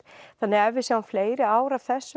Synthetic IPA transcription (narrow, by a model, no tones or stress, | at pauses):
θanːɪɣɛvɪsjaːwanfleːjɾɪaːwɾav̥θɛsː